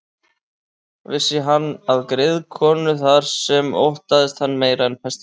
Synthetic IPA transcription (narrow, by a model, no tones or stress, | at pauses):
vɪsɪɦanːaðkɾɪðkʰɔːnʏθaɾ̥sɛmo̰wht̪aðɪst̪hanːmeːjɾaɛnpʰɛst̪